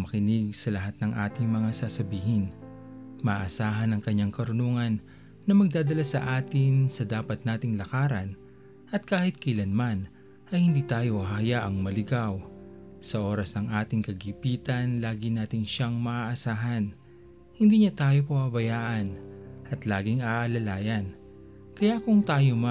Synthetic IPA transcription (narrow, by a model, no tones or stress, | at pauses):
mɐkɪnɪɡ̚sɐlɐɦat̪̚nɐŋʔa̰ːt̪ɪŋmɐŋasasɐbiːhɪn | mɐʔaʔɐsaːɦɐnɐŋkɐɲːaŋkɐɾʊnuːŋɐnː | ɐmɐɡ̚d̪aːd̪ɐlasɐʔaːt̪ɪnsɐd̪aːpɐt̪̚naːt̪ɪŋlɐkaːɾɐn | ʔɐt̪̚kaːhɪt̪̚kɐʔɪlɐnman | ʔɐjhɪnd̪iːt̪aːjo̞hɐjaʔɐŋmɐlɪɡaw | sɐʔo̞ːɾɐsnɐŋʔaːt̪ɪŋkɐɡipiːt̪ɐnlaːɡɪnaːt̪ɪŋʃaŋmɐʔaʔɐsaːɦɐn | hɪnd̪iːɲat̪aːjo̞pɐwɐbɐjaːʔɐnʔɐt̪laːɡɪŋaʔɐlɐlaːjɐn | kɐjakʊŋt̪aːjoma